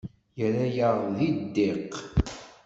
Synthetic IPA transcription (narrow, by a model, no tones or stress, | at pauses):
jəɾæjəʁðid̪ːeq